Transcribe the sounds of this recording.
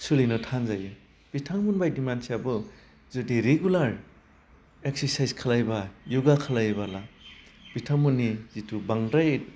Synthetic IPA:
sulinɔtʰanzajɯ | b̥itʰaŋmunbajdimansijabɯ | zudiɾeɡulaɾ | ek̚seɾsajzkʰalajbajuɡakʰalajbalab̥itʰaŋmunːizitʰubaŋdaj

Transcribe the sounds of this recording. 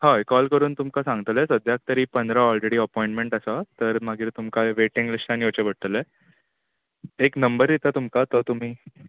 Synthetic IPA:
haekɔlkəɾuːnt̪umkasãŋɡt̪lesəd̪jak̚t̪əɾiːpənd̪ɾaɔlɾeɽiːəpɔjĩɳʈmẽɳʈəsat̪əɾmaɡiːɾt̪umkaʋeʈiŋɡlisʈaniot͡ɕebʱəɽ̚t̪əle | eknəmbəɾjet̪at̪umkat̪ɔt̪um̤iː

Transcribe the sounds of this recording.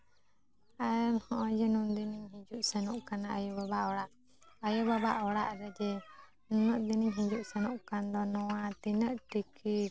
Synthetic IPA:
ajɛmhɔ̃ʔɔ̃d͡ʒɛnumd̪iniɲɦid͡ʒuʔsɛnuʔkanaajubabaʔɔɽaʔ | ajubabaʔɔɽa̰ʔɾɛd͡ʒɛ | nunəʔd̪iniɲɦĩd͡ʒuʔsɛnuʔkand̪ɔnɔwat̪inəʔʈiki

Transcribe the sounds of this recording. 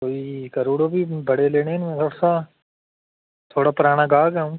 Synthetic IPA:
koːikɐɾuːɽobʱibɐɽeleːnenimɛ̃ːt̪ʰoːɽasa | t̪ʰoːɽapʊɾaːñaɡaːɡəũː

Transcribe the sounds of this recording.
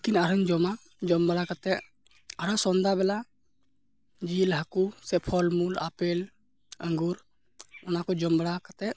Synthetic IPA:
lekinaɾəɲd͡ʒɔma | d͡ʒɔmbɽakat̪ɛ | aɾasɔnd̪abɛla | d͡ʒilɦəkusɛpʰɔlmula̰pɛl | əŋɡuɾ | ɔnakɔd͡ʒɔmbɽakat̪ɛʔ

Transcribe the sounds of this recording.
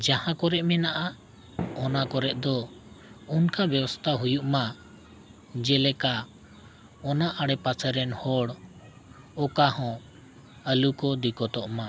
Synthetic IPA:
d͡ʒahãkɔɾɛʔmɛnaʔa | ɔnakɔɾɛʔ̚d̪ɔ | unkabɛwɔst̪ʰaɦujuʔma | d͡ʒɛlɛka | ɔnaʔaɽɛpasəɾɛnhɔɽ | ɔkahɔ̃ | əlukɔd̪ikɔt̪ɔʔma

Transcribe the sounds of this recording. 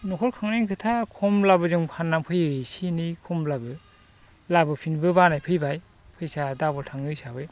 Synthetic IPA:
nɔkʰɔɾkʰaŋneŋkʰɯtʰakʰɔmlabɯzɯŋpʰanːampʰɯjɯsinikʰɔmlabɯ | labɯpʰinbɯbanajpʰɯjbaj | pʰɯjsadabɔltʰaŋɯsabɯj

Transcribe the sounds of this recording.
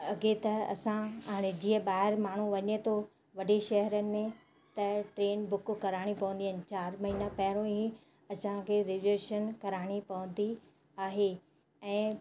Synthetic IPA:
ɐɡet̪ɐɐ̰sãɦaːɽ̃ed͡ʑĩːə̃ɓaːɦɪɾmaːɳ̤uʋɐɲet̪ʰo | ʋɐɖeʃɐɦəɾənɪ̆mẽ | t̪ɐʈɾeːnbʊkkɐɾaːɽ̃ipɐʋʊ̃nd̪iɦənɪ̆t͡ɕaːɾmɐɦiːnapɐɦɪɾõĩ | ɐsãkʰeɾɪʋeʃənkɐɾaːɽ̃ipɐʋə̃nd̪i | aːɦe | ɛ̃ː

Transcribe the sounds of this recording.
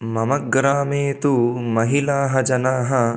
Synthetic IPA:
mɐmɐɡɾaːmeːt̪umɐɦilaːɦɐd͡ʒɐnaːɦɐ

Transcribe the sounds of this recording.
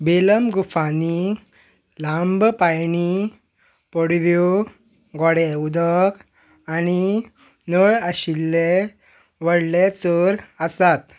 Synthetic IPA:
beləmɡufani | lãmbpajni | pɔɽʋjo | ɡɔɽeud̪ək | ani | nəɭəɕilːe | ʋəɽlet͡səɾəsat̪

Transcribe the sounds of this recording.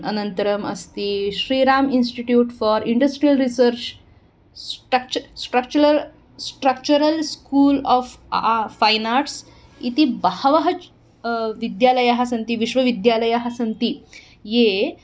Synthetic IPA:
ʔənənt̪əɾəmɐ̰st̪iːɕɾiɾaminsʈiʈjuːʈfɔɾiɳɖəsʈɾijəlɾisəɾt͡ɕ | sʈəkt͡ɕsʈɾək̚t͡ɕuɾəɾ | sʈɾək̚t͡ɕuɾəlskuːlɔffajnaɾʈs | it̪ibahʋəɦə | ʋid̪jaləjaɦasɐnt̪iʋiʃʋɐʋid̪jaləjaɦasənt̪i | je

